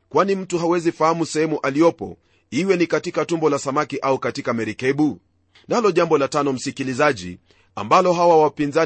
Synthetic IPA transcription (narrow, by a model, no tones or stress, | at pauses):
kwanim̩tuɦawɛzifahamusɛhɛmuʔalijɔpɔ̰ | iwɛnikatikatumbɔlasamakiʔaukatikamɛɾikɛɓu | nalɔʄambɔlatanɔm̩sikilizaʄḭ | a̰mbalɔɦawawapinza